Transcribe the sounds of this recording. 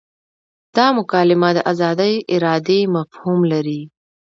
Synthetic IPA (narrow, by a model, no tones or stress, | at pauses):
d̪̥ɑmʊkɑlɪmad̪əʔazɑd̪əjɪɾɑd̪emafhumlaɾi